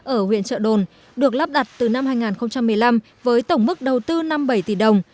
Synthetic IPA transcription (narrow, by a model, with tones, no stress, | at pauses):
ʔəː˧˩hwḭ˧˨ənt͡ɕə̰ː˧˨ɗo˨˩n | ɗɨ˨˩ək̚la˦˥p̚ɗa˨˩t̚t̪ɨ˨˩na˧mɦaː˧jŋaː˨˩nxə˧wŋ͡mt͡ɕa˧mːɨ˨˩əjla˧m | vəː˨˦jt̪ə˧˩wŋ͡mmɨ˦˥k̚ɗə˨˩wt̪ɨ˧na˧mɓə˧˩jt̪i˧˩ɗə˨˩wŋ͡m